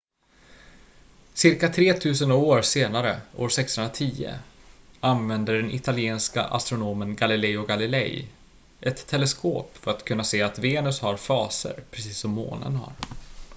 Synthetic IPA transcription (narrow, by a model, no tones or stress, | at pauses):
sɪɾkat̪ʰɾeːt̪ʰʉ̟ːs̬ənoːɾseːnaɾəʔoːʂɛksɵnɾat̪ʰiːə̰ | anvɛnd̪əɖɛnʔɪt̪ʰalɪeːnska̰ʔa̰st̪ɾʊnoːmənɡalɪlɛjɔɡalɪlɛ̰j | ʔɛt̪ʰːɛlɛskoːpfœɾat̪kʰɵnːaseːat̪veːnɵshaɾfɑːsə̰ɾpʰɾɛsiːsːɔmːo̰ːnə̰nha̰ɾ